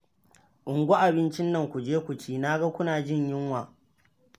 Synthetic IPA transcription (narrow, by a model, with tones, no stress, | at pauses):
ʔʊ˨ŋɡʷo˦ʔa˨bɪ˦nt͡ʃɪ˦nːɐ˨ŋkʷu˨d͡ʒeː˦kʷʊ˨t͡ʃiː˦naː˦ɡɐ˦kʷʊ˦naː˨d͡ʒɪ˦˨ɲjɪ˦ŋwaː˨